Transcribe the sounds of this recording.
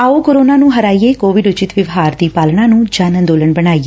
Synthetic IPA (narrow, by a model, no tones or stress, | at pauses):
aːoːkoɾoːnaːnũːɦəɾaːieːkoːʋɪɖʊt͡ʃɪt̪ʋɪʋɦaːɾd̪iːpaːlɳãːnũːd͡ʒaːnənd̪oːləɳbəɽaːiːe